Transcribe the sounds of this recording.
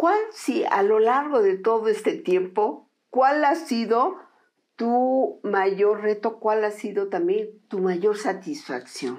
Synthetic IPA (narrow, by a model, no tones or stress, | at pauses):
kwalsia̰lolaɾɣoðet̪oðoest̪et̪jempo | kwalasiðo | t̪umaʝoɾret̪okwalasiðot̪ambjent̪umaʝoɾsat̪isfa̰ksjo̰n